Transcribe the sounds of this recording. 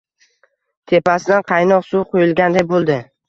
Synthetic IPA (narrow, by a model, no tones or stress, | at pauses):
t̪ʰe̞pasɪd̪anqʰɑjnɒqsuwqʰojɪlˠɡʲand̪ajbolˠd̪ɪ